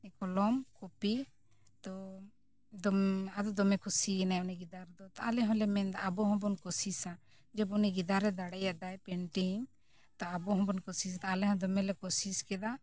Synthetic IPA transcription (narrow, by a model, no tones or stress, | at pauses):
ɛkɔlɔmkɔpi | t̪ɔ | d̪ɔad̪ɔd̪ɔmɛkʰusinajɔniɡid̪aɾd̪ɔt̪aalɛɦɔ̃lɛmɛnd̪aabɔɦɔ̃bɔnkɔsisa | d͡ʒɔbɔniɡid̪aɾɛd̪aɽɛjad̪ajpɛɳʈim | t̪ɔabɔɦɔ̃bɔnkɔsisat̪aːlɛɦɔ̃d̪ɔmɛlɛkɔsiskɛd̪a